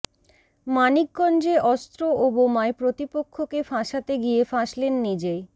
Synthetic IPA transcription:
manik̚ɡɔnd͡ʑeʔɔst̪ɾoobomaepɾot̪ipokʰːokefãʃat̪eɡijefãʃlenːid͡ʑe

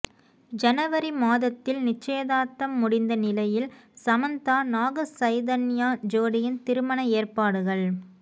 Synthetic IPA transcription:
d͡ʒɐnɐʋɐɾimaːðɐt̪ːɪlnɪt͡ʃːeːðaːt̪ːɐmːʊɽɪnd̪ɐnɪlɐjɪlsɐmɐnt̪aːnaːɣɐsɐɪðɐnɪjaːd͡ʒoːɽɪjɪnt̪ɪɾɯmɐnɐeːrpaːɽɯɣɐɭ

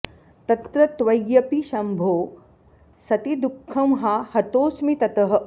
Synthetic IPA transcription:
t̪ɐt̪ɾɐt̪ʋɐjjɐpiʃɐmbʱoː | sɐt̪id̪ukʰːɐmɦahɐt̪oːsmit̪ɐt̪ɐɦɐ̆

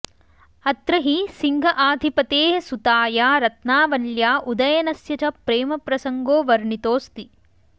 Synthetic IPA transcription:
ɐt̪ɾɐɦisiŋɡʱɐʔaːd̪ʱipɐt̪eːɦɐsut̪aːjaːɾɐt̪naːʋɐljaːʔud̪ɐjɐnɐsjɐt͡ʃɐpɾeːmɐpɾɐsɐŋɡoːʋɐɾɳit̪oːst̪i

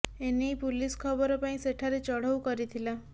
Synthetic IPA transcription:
enijpuliskʰɔbɔɾɔpaĩseʈʰaɾet͡ʃɔɽ̤ɔwkɔɾit̪ʰila

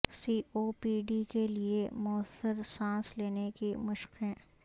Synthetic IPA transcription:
siːʔoːpiːɖikeliemʊəsːəɾsãːsleːnekimʊʃqɦɛ̃ː

